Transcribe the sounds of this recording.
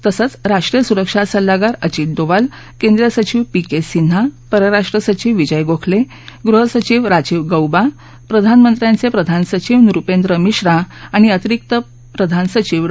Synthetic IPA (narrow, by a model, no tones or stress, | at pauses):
t̪əsət͡sɾaʂʈɾijəsuɾəkʂasəlːaɡaɾət͡ɕiːʈ̪̚d̪oʋal | kend̪ɾjəsət͡ɕiʋpikesin̤ɦapəɾəɾaʂʈɾəsət͡ɕiʋːid͡ʑəjɡokʰle | ɡɾuɦəsət͡ɕiʋɾad͡ʑiʋɡəwba | pɾəd̪ʱanmənt̪ɾjant͡sepɾəd̪ʱansət͡ɕiʋnuɾupend̪ɾəmiɕɾaaɽ̃iət̪iɾik̚t̪ə | pɾəd̪ʱansət͡ɕiʋ